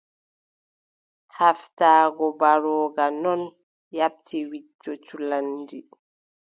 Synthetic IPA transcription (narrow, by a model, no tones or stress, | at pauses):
haftaːɡɔbaɾɔːɡanɔn | jap̚tʰiwit͡ʃːɔt͡ʃulandi